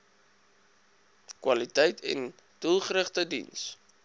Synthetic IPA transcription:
kwɐlitəjtʰɛ̰n | d̥ulˠχəɾəχtədḭns

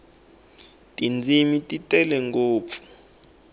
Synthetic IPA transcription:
tʼind͡zʱimitʼitʼɛlɛŋɡoːp̪fu̥

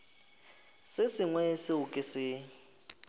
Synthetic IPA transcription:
sɪsɪŋwɛsɪʊkʼɪsɪ

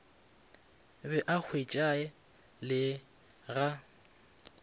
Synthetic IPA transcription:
bɛʔak͡xʰwet͡ʃʼaɛ | lɪ | ɣa

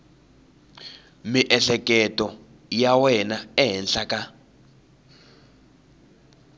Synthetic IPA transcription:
miʔɛɬɛkʼɛtʼɔ | jawɛnaɛɦɛnɬakʼa

